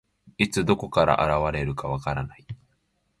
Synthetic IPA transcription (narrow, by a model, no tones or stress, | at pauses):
it͡sɨd̪o̞ko̞kaɾa̰ʔa̰ɾaβaɾe̞ɾɯ̟kaβ̞akaɾanai